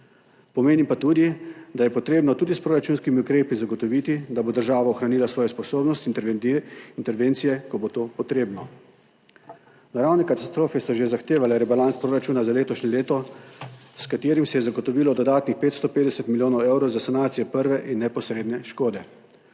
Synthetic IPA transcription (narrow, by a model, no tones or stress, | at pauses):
pɔmeːnimpat̪uːd̪id̪ajɛpɔt̪ɾeːbnɔt̪uːd̪ispɾoːɾat͡ʃuːnskimiukɾeːpizaɡɔt̪ɔʋiːt̪id̪abod̪əɾʒaːʋaɔxɾaniːlasʋɔːjɛspɔsoːbnɔst̪i | int̪ɛɾʋeːnt̪sijɛkɔbot̪oːpɔt̪ɾeːbnɔ | naɾawnɛkat̪ast̪ɾoːfɛsɔʒezaxt̪eːʋalɛɾɛbalantspɾoːɾat͡ʃuːnazaleːt̪ɔʃnɛleːt̪ɔ | skat̪eːɾimsɛjɛzaɡɔt̪ɔʋiːlɔd̪ɔd̪aːt̪nixpeːt̪st̪ɔpeːd̪ɛsɛt̪miljoːnɔwɛwɾɔwzasanaːt̪sijɛpəɾʋɛʔinːɛpɔsɾeːd̪nɛʃkoːd̪ɛ